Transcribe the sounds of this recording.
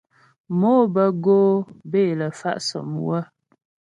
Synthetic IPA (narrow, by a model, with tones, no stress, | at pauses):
moː˦bə˦ɡoː˦be˦˨lə˨fa̰˦ʔsə̰˨mwə˦